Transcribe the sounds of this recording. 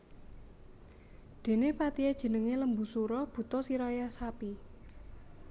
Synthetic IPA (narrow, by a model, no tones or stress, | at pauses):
d̪̥e̤nepat̪ied̥ʒ̥ə̤nəŋeləmbṳsuɾɔb̥ṳt̪ɔsiɾɔjasapi